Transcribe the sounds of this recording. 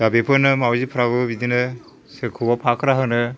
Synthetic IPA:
zabepʰɯnɯmawzipʰɯɾabɯbid̪inɯ | sekʰubapʰakʰɾaɦɯnɯ

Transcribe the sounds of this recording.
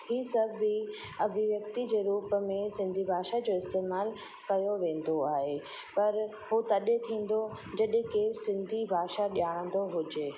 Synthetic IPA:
hiːsɐbʱːi | ɐbʱɪʋjɐkt̪id͡ʑeːɾuːpmẽsɪ̃nd̪ʱibʱaːʃad͡ʑoːɪst̪eːmaːl | kɐjoʋẽːn̆d̪oaːɦeː | pɐɾ | ɦut̪ɐɗet̪ʰĩːn̆d̪o | d͡ʑɐɗ̃kesɪ̃nd̪ʱibʱaːʃaɗijaːɽ̃ə̃nd̪oɦʊd͡ʑe

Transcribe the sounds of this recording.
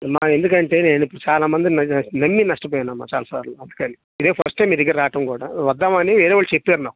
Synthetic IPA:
mːaːend̪ukɐɳʈe̞ːneːnipːuɽut͡ʃaːlaːmɐnd̪innɐmːinɐʂʈɐp̬ɔːjanːɐmːa̰ːt͡ʃa̰ːlasaːɾuloːɐnd̪ukɐni | id̪eːpʰɐɾsʈɐjmid̪iɡːɐɾaːʈɐmkuːɽa̰ːʋɐd̪ːaːmɐniʋeːɾeːʋaːɭːut͡ʃepːeːɾnaːku̥

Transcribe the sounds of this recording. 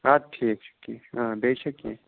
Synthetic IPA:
aːʈʰiːk̚ʃʊ̥kieãːbeːʃɐkjeː

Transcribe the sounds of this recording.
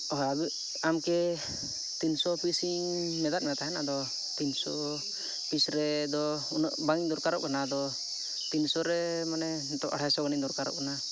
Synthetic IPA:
ɔɦɔabi | amkɛ | t̪insɔpʰisiŋmɛd̪at̪̚mɛt̪aɦɛnad̪ɔ | t̪insɔ | pʰisɾɛd̪ɔ | unɔʔbaŋiɲd̪ɔɾkaɾɔ̰ʔkanad̪ɔ | t̪insɔɾɛmanɛ | nt̪ɔʔa̰ʈʰasɔɡaniŋd̪ɔɾkaɾɔ̰ʔkana

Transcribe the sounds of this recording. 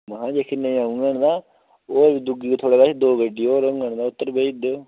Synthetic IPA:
mɦãːd͡ʒeːkʰinə̃ĩːaːũːɡəɳd̪aː | oːɾd̪ʊɡiːt̪ʰoːɽaːɡaːʃd̪oːɡəɖiːoːɾəŋɡəɳ̃d̪aːʊt̪ːəɾbeːd̪

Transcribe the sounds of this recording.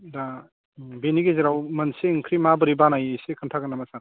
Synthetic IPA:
da | beniɡeziɾawmɐnseŋkʰɾimabɯɾibanajesekʰɯntʰaɡɯnamasaɾ

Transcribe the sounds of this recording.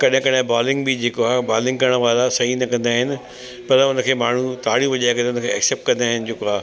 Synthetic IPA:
kɐɗɦɪ̃kɐɗɦɪ̃baːlɪ̃ŋɡbɪd͡ʑeːkoaːbaːlɪ̃ŋɡ̚kɐɾəɽ̃ʋaːlasɐɦinɐkɐ̃nd̪aːɦɪnɪ̆ | pɐɾʊnə̆kʰeːmaːɳ̤ut̪aːɽjuʋɐʄaːekɐʊnə̆kʰeːɛkseːp̚ʈ̚kɐ̃nd̪aːɦɪnɪ̆d͡ʑeːkoaː

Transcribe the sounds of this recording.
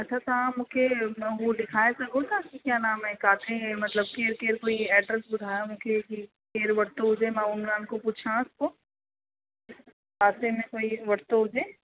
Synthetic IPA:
ɐtːʃʰat̪ɦãmʊ̃kʰemɛ̃ɦolɪkʰaːesɐɡot̪ʰakikjaːnaːmɦɛ̃kaːt̪ʰẽmɐt̪ləb̚keːɾkeːɾkoːiɛːɖɾəsbʊd̪ʱaːjamʊ̃kʰeki | keːɾʋɐɽt̪oɦʊd͡ʒemɛ̃ʊnɡaːnkopuːt͡ʃʰãʊsko | kaːt̪ẽmẽkoːiʋɐɽt̪oɦʊd͡ʒeː

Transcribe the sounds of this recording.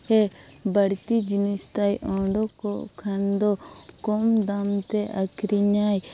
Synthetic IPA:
hɛ | bəɽt̪id͡ʒinist̪ajʔɔ̃ɖɔkɔʔkʰand̪ɔkɔmd̪amt̪ɛʔakɾiɲaj

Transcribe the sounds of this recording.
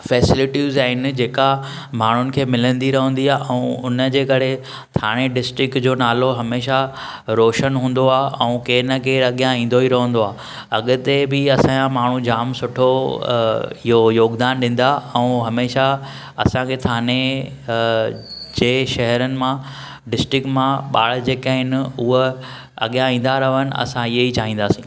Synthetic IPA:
fɛːsɪlɪʈizaːɪnɪ̆d͡ʑeːka | maːɳ̤ʊnɪ̆kʰeːmɪlə̃nd̪iɾɐɦə̃nd̪iaːʔɛ̃ʊnəd͡ʑeːkɐɾe | t̪ʰaːɽ̃eɖɪsʈɾɪk̚ʈd͡ʑoːnaːloɦɐmeːʃa | ɾoːʃənɦũːn̆d̪oaːɛ̃ũkeːnəkʰeːɾɐɠijãĩːn̆d̪oiɾɐɦə̃n̆d̪oaː | ɐ̰ɠʊ̆t̪ebɪɐsãːãmaːɳ̤ũd͡ʑaːmsʊʈʰo | ɪɦojoːɡd̪aːnɗɪ̃ːn̆d̪aɛ̃ũɦɐmeːʃa | ɐ̰sãkʰet̪ʰaːne | d͡ʑeːʃɐɦəɾənɪ̆mã | ɖɪsʈɾɪkʈmãɓaːɭ̤d͡ʑeːkaːɦɪnɪʊɦə | ɐ̰ɠijãĩːn̆d̪aɾɐʋənɪ̆ɐ̰sãɪɦeit͡ɕaːɦĩːn̆d̪aːsĩː

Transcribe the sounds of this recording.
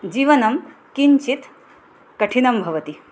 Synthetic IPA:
d͡ʒiːʋɐnɐm | kiɲt͡ʃit̪ | kɐʈʰinɐmbʱɐʋɐt̪i

